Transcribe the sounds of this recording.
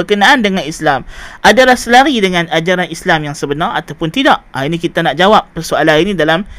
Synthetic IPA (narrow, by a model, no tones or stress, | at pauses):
əkənaʔandəŋãnislamʔadalahsəlaɾidəŋãnad͡ʒaɾanislamjaŋsəbənara̰t̪awpʊnt̪idaʔainĩkit̪anaʔd͡ʒawap̚pərsualaninĩdalam